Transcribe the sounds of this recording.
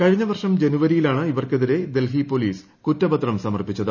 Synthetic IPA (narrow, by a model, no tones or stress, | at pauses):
kɐɻiɲːɐʋɐrʂɐmd͡ʑe̞nuʋɐɾijilaːɳɨiʋɐrkeðiɾe̞d̪e̞lɦipoliːs | kutːɐbɐt̪rɐmsɐmɐrpit͡ɕːɐðɨ